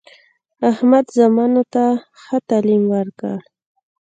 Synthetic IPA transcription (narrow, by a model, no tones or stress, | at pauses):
ahmad̪zamɑnot̪a | xət̪alimwəɾkə̰ɽ